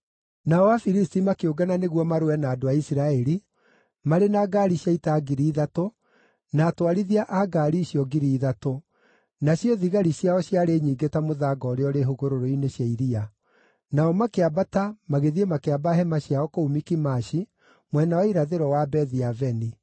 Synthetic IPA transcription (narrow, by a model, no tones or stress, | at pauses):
naɔwafiɾistimakeoɡananeɣwɔmaɾoɛnaːdoaisiɾaɛɾi | maɾenaːɡaɾiɕjaitaɡiɾiːðato | naːtwaɾiðiaʔaɡaːɾiɕjɔɡiɾiːðato | naɕjɔðiɣaɾiɕjaɔɕjaɾeɲiːɡetamoðaɡɔɾeɔɾeɦoɣoɾoɾoineɕjaiɾia | naɔmakeabatamaɣeðiemakeabaɦɛmaɕjaɔkoumikimaʃi | mwɛnawaiɾaðeɾɔwabɛðiavɛni